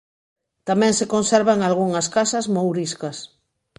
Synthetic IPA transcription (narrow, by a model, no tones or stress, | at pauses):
t̪amɛ̃ŋsekõnseɾβaŋalɣ̞uŋɐskasazmowɾiskɐs